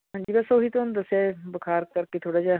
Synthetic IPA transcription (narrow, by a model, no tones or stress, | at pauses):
ɦãːɲd͡ʒiːbəsoːɦiːt̪onũd̪əsːeaːbəkʰaːɾkəɾkeːt̪ʰoːɽaːd͡ʒaː